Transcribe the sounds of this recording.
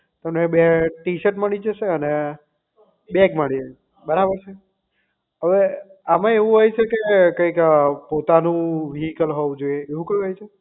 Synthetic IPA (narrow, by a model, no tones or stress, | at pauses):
t̪əmnebeʈiʃəʈməɭid͡ʒəʃeəne | bekməɭid͡ʒ | bəɾabəɾt͡ʃʰe | ɦəʋeamãeʋũɦojt͡ʃʰekekəjkpot̪anũʋiɦikəlɦoʋũd͡ʒoieeʋũkəjũɦojt͡ʃʰe